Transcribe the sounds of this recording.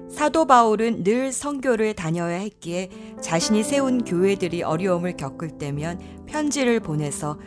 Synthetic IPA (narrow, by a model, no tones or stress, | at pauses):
sʰadobauɾɯnːɯɭsʰʌŋɡjoɾɯɭtaɲʌjaɦek͈ie̞ | t͡ɕaɕʰiɲisʰe̞unkjoɦe̞dɯɾiʔʌɾjʌɯmɯɭkjʌk͈ɯɭt͈e̞mjʌn | pʰjʌnd͡ʑiɾɯɭpone̞sʰʌ